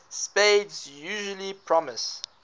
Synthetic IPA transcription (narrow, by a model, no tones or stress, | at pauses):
speɪdzjuːʒəlipʰɹ̥ɔməs